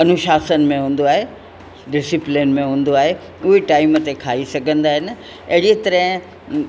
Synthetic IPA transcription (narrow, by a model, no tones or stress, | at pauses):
ɐnʊʃaːsənɪ̆mẽɦũːn̆d̪oaːɦe | ɖɪsɪplɪnmẽɦũːn̆d̪oaːɦe | ʊɦeʈaːɪmt̪ekʰaːisɐɡʱə̃nd̪aːɦɪnɪ̆ | ɐɦɪɽit̪ɐɾəɦɪ̃